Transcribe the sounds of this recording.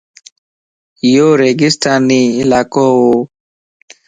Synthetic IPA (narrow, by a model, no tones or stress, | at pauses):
joːɾeːɡɪsʈaːniːɪlaːkoːoː